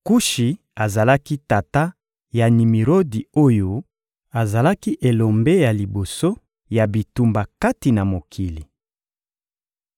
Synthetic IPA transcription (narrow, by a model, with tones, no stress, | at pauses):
ku˦ʃi˨ | a˨za˨la˦ki˦ta˨ta˦ | ja˨ni˨mi˨ʁo˦di˨o˦jo˨ | a˨za˨la˦ki˦ʔe˨lo˨mbe˦ja˨li˨bo˨so˦ | ja˨bi˨tu˨mba˨ka˦ti˨na˨mo˨kʰi˨li˨